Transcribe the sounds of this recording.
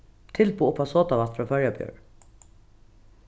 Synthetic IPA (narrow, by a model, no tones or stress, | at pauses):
t̪ʰɪlbuːʊpʰɑsoːt̪aʋɑt̪fɾɑːfœɹjabjœ̰ːɹ